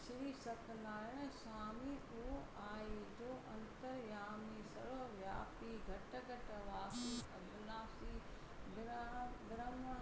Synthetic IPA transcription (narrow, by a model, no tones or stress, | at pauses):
sɪɾisɐk̪naːɾɪñsaːmioʔaːjed͡ʒoːʔɐ̰̃nt̪əɾjaːmisɐɾʋɐʋjaːpiɡʱɐʈɐɡʱɐʈɐʋaːsiːɐbʱnaːsiː | dɾd̪ɾɐmɐ